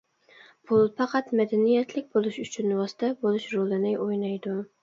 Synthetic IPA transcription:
pʰʊlˠfɑqɑt̪mad̪anijat̪ʰlɪk̚ʲbolˠɪʃʊt͡ʃʰʊnːwɒsɪ̥t̪ʰabolˠɪʃɾolˠanajʔojnajd̪ʊ

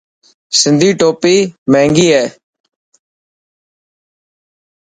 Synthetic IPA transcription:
sɪnd̪ʱiːʈoːpiːmẽːŋɡiːɦɛː

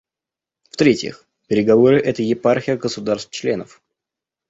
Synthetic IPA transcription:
ft̪ɾʲetʲjɪ̰x | pʲɪɾʲɪɡɐvo̞ɾɨʔɛt̪əjɪparxʲɪjəɡəsʊd̪arst̪t͡ɕlʲe̞nəf

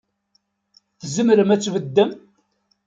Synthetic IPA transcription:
θəzəmɾəmæt͡sːvəd̪ːəm

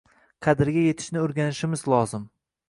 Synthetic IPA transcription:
qʰɑd̪ɪɾɡʲaje̞t̪ʰɪ̥ʃnɪoɾɡʲanɪʃɪmɪzlˠɒzɪm

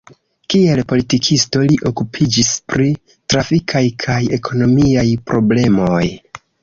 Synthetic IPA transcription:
kie̞lpo̞litikʰisto̞liʔo̞kupʰid͡ʒispɾi | tɾafikʰajkʰaje̞kʰo̞no̞miajpɾʔo̞ble̞mo̞j

